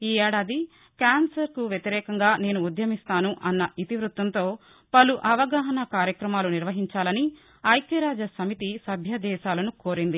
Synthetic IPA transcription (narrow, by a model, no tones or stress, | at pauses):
iːɛːɽaːd̪i | kaːnsɐɾkuʋjet̪iɾɛːkɐŋɡaːne̞ːnuːd̪jɐmist̪aːnuʔɐnːɐʔit̪iʋɾut̪ʋɐnt̪o̞ː | pɐluʔɐʋɐɡaːɦɐnɐkaːɾjɐkɾɐmaːluniɾʋɐɦiɲt͡ʃaːlɐni | ɐjkjɐɾaːd͡ʒɐsɐmit̪isɐbʱjɐd̪ɛːʃaːlɐnukoːɾind̪i